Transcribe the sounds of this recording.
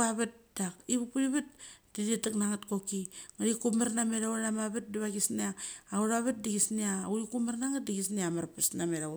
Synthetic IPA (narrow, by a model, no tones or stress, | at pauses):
aβat̚d̥akiβupuɾiβat̚d̥iditaknaŋatkokiŋaɾikumaɾnameɾawnamaβat̚diβaɡisniaːɣuɾaβat̚diɡisniauɾikumaɾnaŋat̚diɡisniamaɾpasnameɾa